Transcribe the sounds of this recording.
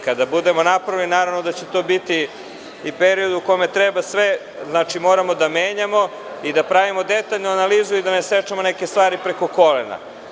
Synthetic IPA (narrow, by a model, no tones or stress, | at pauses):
kad̪abud̪e̞mo̞napɾaʋilinaːɾaʋnod̪at͡ɕet̪o̞ːbit̪iː | peɾio̞d̪uuko̞met̪ɾebasʋe | znat͡ʃimo̞ːɾamo̞d̪ameːɲamo̞ | id̪apɾaʋimo̞d̪et̪aʎnuanaliːzuid̪anesɾet͡ʃamo̞neke̞st̪ʋaːɾipɾe̞ko̞ko̞lḛna̰